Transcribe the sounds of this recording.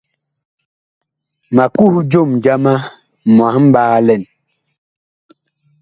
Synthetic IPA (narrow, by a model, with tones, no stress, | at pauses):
ma˨ku˦˨hd͡ʒo˦˨md͡ʒa˦ma˦ | mwã˨˦m̩˦ɓaː˦lɛ˦˨n